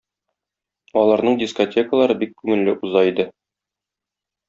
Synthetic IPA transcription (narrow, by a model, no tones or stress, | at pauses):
ɒlˠɑɾnɤɴdʲisko̞tʲʰe̞kəlˠɑɾɤbikkːʉŋɘ̆lːɘʔuzɑid̪ɘ